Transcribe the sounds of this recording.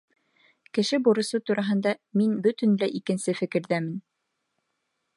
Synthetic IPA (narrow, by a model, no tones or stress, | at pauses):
kɘ̆ʃɘbuɾɤ̆sot̪uɾɑɦɤ̆nd̪ɑminbɵt̪ɘ̆nlæʔikɘ̆nsɘfɘ̆kɘ̆ɾðæmɘn